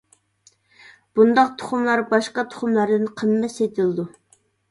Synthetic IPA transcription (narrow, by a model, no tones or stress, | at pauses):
b̥und̪ɑq̚t̪ʰʊ̥χʊmlˠɑɾbɑʃqɑt̪ʰʊ̥χʊmlˠɑɾd̪ɨnqʰəmːɛset̪ʰɪlˠɨd̪u